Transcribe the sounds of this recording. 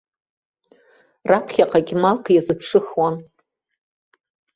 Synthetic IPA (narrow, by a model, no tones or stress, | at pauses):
rapʰχʲaqʼaɡʲɪmalqʰjazɨpʰʂɨχwan